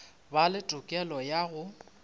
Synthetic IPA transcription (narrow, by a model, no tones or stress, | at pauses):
balɪtʼʊkʼɛlɔjaɣʊ